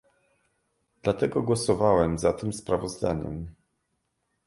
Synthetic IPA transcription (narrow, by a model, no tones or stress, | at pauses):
d̪lat̪ɛɡɔɡwɔsɔvawɛmzat̪ɘmspɾavɔzd̪a̰ɲɛ̰m